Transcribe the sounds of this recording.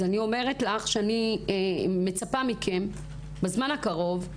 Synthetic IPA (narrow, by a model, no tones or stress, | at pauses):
anio̞me̞ʁetlaχʃeani | me̞t͡sapamikʰe̞m | bezmanhakaʁo̞v